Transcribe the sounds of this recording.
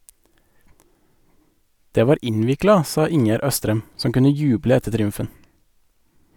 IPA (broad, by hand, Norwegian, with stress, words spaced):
ˈdeː ˈʋɑːɾ ˈɪnʋɪklɑ ˈsɑː ˈɪŋjæɾ ˈœstɾɛm ˈsɔm ˈkʉnə ˈjʉːblə ˈɛtə tɾɪˈʉmfən